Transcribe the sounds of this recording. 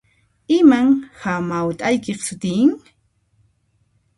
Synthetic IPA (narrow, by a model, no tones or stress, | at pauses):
ɪmaŋhamawt̪ʼajkeχsʊt̪ɪjŋ